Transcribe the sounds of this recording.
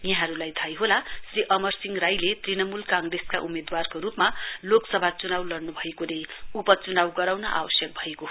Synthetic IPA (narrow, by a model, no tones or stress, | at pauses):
jʌɦãɾulajt̪ʰajɦolasriʔʌmʌrsiŋɡrajlet̪rinʌmulkãŋɡreskaʔumed̪warkoɾupmaloksʌbʱat͡sunawlʌrnubʱʌekonejupʌt͡sunawɡʌɾawnʌʔa̰wʌsjʌk̚bʱʌeko